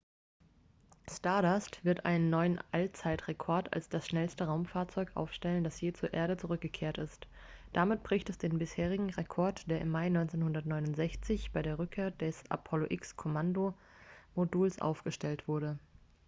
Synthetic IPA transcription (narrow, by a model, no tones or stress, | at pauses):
staɐdastv̥ɪɐtʔa̰ɪnənːɔʏənʔalt͡saɪtʁ̥ekʰɔɐtʰa̰lsd̥asʃnɛlstəʁaʊmfaːɐt͡sɔʏkʔa̰ʊfʃtɛləndasjeːt͡suːɐʔeːɐɾət͡suʁʏk̚ɡ̥əkʰeːɐtɪst | d̥amɪt̚b̥ʁɪçtɛsd̥eːnbɪsheːʁ̞ɪɡŋ̩ʁekʰɔɐtd̥eːɐʔɪmːaɪnɔʏnt͡seːnhʊndɐtnɔʏnʊntz̥ɛçt͡sɪçb̥aɪɾeːɐʁ̞ʏkʰːeːɐdɛsʔa̰pʰɔloʔɪkskʰomando | moduːlsʔa̰ʊfɡ̥əʃtɛltv̥ʊɐɾə